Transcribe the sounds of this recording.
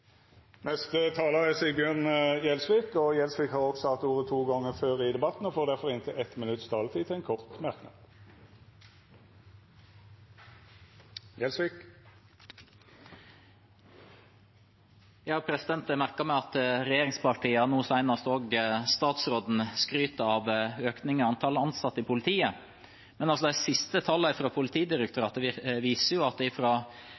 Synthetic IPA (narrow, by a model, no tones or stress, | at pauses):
nɛst̪ət̪ʰɑːləɛsɪbjøːʁnjɛlsʋiːkɔjɛlsʋiːkhɑːʁɔksɔhɑt̪uːʁət̪ʰuːɡɔŋːəføːʁɪd̪ɛbɑt̪n̩ɔfoːʁd̪æʁfɔʁɪnt̪ʰɪɛt̪mɪnʉt̪st̪ʰɑːlət̪ʰiːt̪ʰɪɛnkʰɔʁt̪mæʁknɑ̰d̪ | jɛlsʋik | jɑhɑpʰɾɛsɪd̪ɛnt̪əmæɾkɑmæɪɑt̪ɾɛjeːɾɪŋspɑʈiːəɑnuːsæɪnɑst̪oːɡst̪ɑːt̪sɾoːd̪n̩skɾyːt̪əɑʋøːknɪŋəɑnt̪ʰɑləɑnsɑt̪ːəɪpʰʊlɪt̪ʰiːə | mɛnɑlsɔd̪æɪsɪst̪ət̪ʰɑlːəɪfɾɑːpʰʊlɪt̪ʰiːd̪ɪɾək̚t̪ʰʉɾɑːt̪ʋiːsəjʊɑt̪̚d̪ɛɪfɾoː